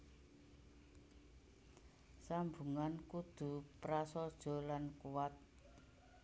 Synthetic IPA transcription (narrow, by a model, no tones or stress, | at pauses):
sambuŋankud̪̥ṳpɾasɔd̥ʒ̥ɔ̤lankuwat̪̚